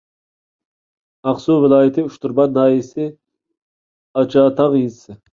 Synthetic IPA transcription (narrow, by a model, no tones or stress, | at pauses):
ɑqsuvɪlˠɑːjɪt̪ʰɪuʃt̪uɾbɑnːɑːjisɪ | ɑt͡ʃʰɑːt̪ʰɑʁjisɪ